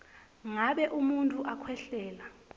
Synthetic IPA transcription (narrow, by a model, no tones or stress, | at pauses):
ŋaɓɛʔumuntʼuʔakʰwɛɬɛːla